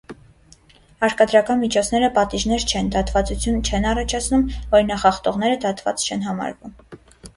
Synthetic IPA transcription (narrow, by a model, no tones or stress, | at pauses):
ɑɾkɑd̪ɾɑkɑnmit͡ʃʰɔt͡sʰn̪ɛɾəpɑt̪iʒn̪ɛɾt͡ʃʰɛnd̪ɑt̪vɑt͡sut͡sʰjunt͡ʃʰɛnɑrɑt͡ʃʰɑt͡sʰnumvɔɾinɑχɑχt̪ɔʁn̪ɛɾəd̪ɑt̪vɑ̰t͡st͡ʃʰɛn̪ɦɑmɑ̰ɾvum